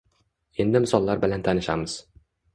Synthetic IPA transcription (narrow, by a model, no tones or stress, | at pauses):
e̞nd̪ɪmɪsɒlˠːaɾbɪlant̪ʰanɪʃa̰mɪz̥